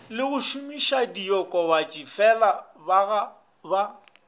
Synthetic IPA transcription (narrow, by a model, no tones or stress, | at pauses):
lɪɣʊʃʊmiʃadiɔkʼɔwat͡ʃʼifɛla | baɣa | ba